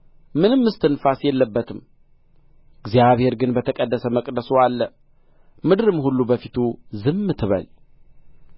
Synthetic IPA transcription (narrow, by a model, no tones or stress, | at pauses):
mɨnɨmːɨst̪ʰɨnfasjɛlːəbːət̪ʰɨm | ɨɡzijaβhe̞ɾɡɨnbət̪ʰəkʼəd̪ːəsəməkʼd̪əsoalːə | mɨd̪ɾɨmhulːubəfit̪ʰuzɨmːɨt̪ʰɨβə̰l